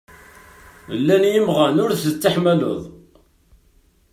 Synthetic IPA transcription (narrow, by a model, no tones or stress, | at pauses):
lːænjəmʁænʊɾθət͡sːaħmælo̰ðˤ